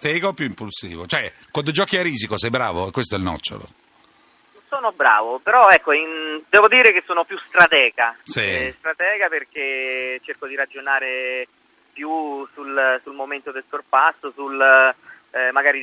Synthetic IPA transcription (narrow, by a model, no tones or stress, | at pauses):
t̪ɛːɡaopːjuimpulsḭːvot͡ʃoɛ | kwand̪od͡ʒɔːkiaɾiːzikosɛjbɾa̰ːvoɛkːwest̪oɛlnɔ̰t͡ʃːo̰lo̰ | soːnobɾa̰ːvopeɾɔɛkːoind̪ɛːvod̪iːɾekesːoːnopjust̪ɾat̪ɛːɡasist̪ɾat̪ɛːɡaperk̟et͡ʃerkod̪iɾad͡ʒonaːɾe | pjusulsulmoment̪od̪elsorpasːosul | maɡaːɾi